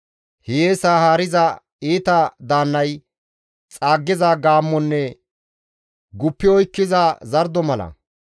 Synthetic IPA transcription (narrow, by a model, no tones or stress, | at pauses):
hɪjeːsaːhaːɾɪzɐ | iːt̪ɐd̪aːnːɐj | t͡sʼaːɡːɪzaɡaːmːɔnːɛ | ɡʊpːɪɔjkːɪzazɐɾd̪ɔmɐlɐ̰